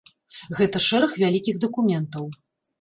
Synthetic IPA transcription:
ɣɛt̪ɐʂɛɾɐxvʲalʲikʲiɣd̪ɐkumʲɛnt̪ɐw

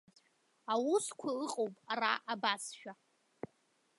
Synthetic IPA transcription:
awuskʷʰaɨqʼowpʼaraʔabasʃᶣa

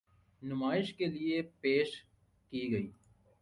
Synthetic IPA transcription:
nʊmaːɪʃkeliepeːʃ | kiɡɐiː

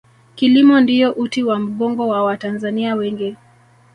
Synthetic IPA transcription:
kilimɔndijɔʔutiwam̩ɠɔŋɡɔwawatanzaniawɛŋɡɛ

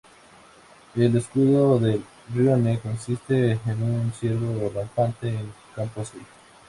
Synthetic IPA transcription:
eleskuðoðel | rjonekonsist̪eːnunsjeɾβolampant̪eːn | kamposi

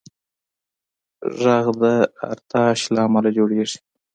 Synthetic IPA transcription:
ʐaɣd̪əa̰ɾt̪ɑʃlɑːmalad͡ʒoɽeʐi̥

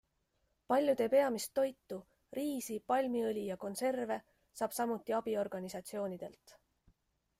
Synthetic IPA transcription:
pɑlʲjut̪e̞ːpe̞ɑmist̪ːo̞jt̪ːu | riːsipɑlʲmiɯlʲijɑko̞nse̞rve̞ | sɑːb̥sɑmut̪ːˑiɑb̥io̞rɡ̥ɑnisɑt̪sio̞ːnid̪̥e̞̰lt̪ˑ

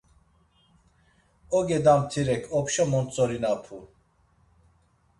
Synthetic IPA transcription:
ɔɡɛd̪amt̪ʰiɾɛkʰɔpʃɔmɔnt͡sʼɔɾinapʰu

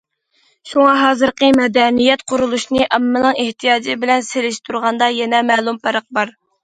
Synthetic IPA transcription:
ʃuŋɑɦɑːzɨɾqəmɛd̪ɛnijɛt̪qʰʊɾulˠuʃnɨʔɑmːɨnɨŋeht̪ʰijɑːd͡ʒɪbɪlɛnselɪʃt̪ʰuɾʁɑnd̪ɑjɛnɛmɛːlˠumpʰæɾəq̚bɑɾ

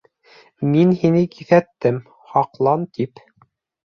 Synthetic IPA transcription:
minhinɘkiθæt̪ːɘm | hɑqlˠɑnt̪ʰip

